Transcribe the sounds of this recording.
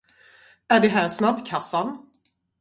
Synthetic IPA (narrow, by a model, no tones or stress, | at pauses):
æɖɛɦæːɾsnabkʰasːan